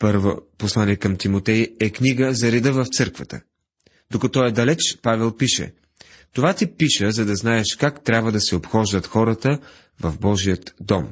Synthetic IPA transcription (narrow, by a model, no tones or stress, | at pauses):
pɤɾvo̰poslˠaniɛkɐmt̪imot̪ɛjɛkniɡəzɐɾid̪əvɐft̪sɤɾkvɐt̪ə̰ | d̪okɐt̪ɔɛd̪ɐlɛt͡ʃpavɛlˠpiʃɛ̰ | t̪ovat̪ipiʃəzɐd̪ɐznaɛʃkakt̪ɾʲabvəd̪ɐsɛopxɔʒd̪ət̪xɔɾət̪ə | vɐvbɔʒijət̪d̪ɔm